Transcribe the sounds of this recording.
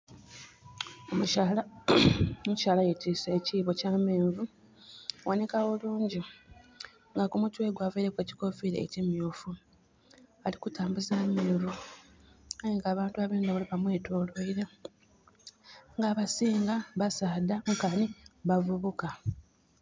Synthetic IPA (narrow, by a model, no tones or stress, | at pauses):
omuala | omuʃaːlajetisaːciːβo̞caːmeːɱvu | wanekaoluːɲɟi | ŋɡakumutwe̞ːɡwaːveiɾekweci̥ko̞fiɾḛːcimjoːfu | alikutaːmbuzaːmeːɱvu | ajeŋɡaːβaːntuaβeːndaβoliβamwe̞ːtoːlwoiɾe̞ | ŋɡaːβasiːŋɡaβasaːd̪aŋkaniβavuβuka